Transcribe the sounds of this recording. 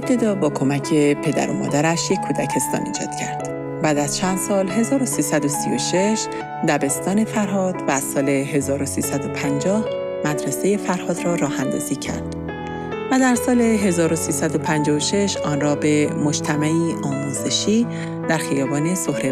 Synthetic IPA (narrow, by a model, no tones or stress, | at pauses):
eb̚t̪ʰed̪ɒːbɒːkʰo̞mæcʰe̞pʰe̞d̪æ̰ɾo̰mɒ̰ːd̪æɾæʃje̞kʰːuːd̪æcʰe̞st̪ɒ̰ːnḭːd͡ʒɒ̰ːd̪̥cʰæɾd̪̥ | bæːd̪æz̥t͡ʃʰænd̪̥sɒːlɦe̞zɒːɾo̞siːsæd̪osijo̞ʃeʃ | d̪æbe̞st̪ɒːne̞fæɾɦɒːd̪̥væːz̥sɒːleɦe̞zɒːɾo̞siːsæd̪o̞pʰænd͡ʒɒːh | mæd̪ɾeseje̞fæɾhɒːd̪rɒːɾɒːhænd̪ɒ̰ːz̥iːcʰæ̰ɾd̪̥ | væd̪æɾsɒːle̞ɦe̞zɒːɾosiːsæd̪o̞pʰænd͡ʒɒːoʃe̞ʃɒːnrɒːbe̞mo̞d͡ʒt̪ʰæmæʔiːʔɒːmuːze̞ʃiː | d̪æɾxijɒːbɒːne̞so̞hɾe